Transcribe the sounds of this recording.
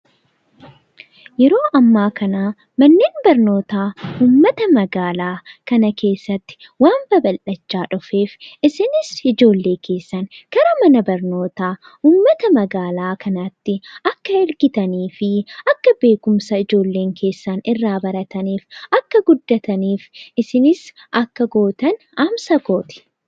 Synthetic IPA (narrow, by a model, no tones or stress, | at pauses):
jɛɾo̞ːʔɐmːaːkɐnaː | mɐnːe̞ːnbɐɾno̞ːt̪aːuːmːɐt̪ɐmɐɡaːlaːkɐnɐke̞ːsːɐt̪ːɪ̥ | waːmbɐbɐlʔɐt͡ʃːaːᶑʊfe̞ːfʔɪsɪnɪsɪd͡ʒo̞ːlːe̞ːkʰe̞ːsːɐnkɐɾɐmɐnɐbɐɾno̞ːt̪aː | uːmːɐt̪ɐmɐɡaːlaːkʰɐnɐt̪ːɪʔɐkːɐɛɾɡɪt̪ɐniːfɪʔɐkːɐbe̞ːkʊmsɐɪd͡ʒo̞ːlːe̞ːŋkʰe̞ːsːanɪrːaːbɐɾɐt̪ɐniːfʔɐkːɐɡʊd̪ːɐt̪ɐniːfʔɪsɪnɪs | ʔɐkːɐɡo̞ːt̪ɐn | ɐmsɐɡo̞ːt̪ɪ̥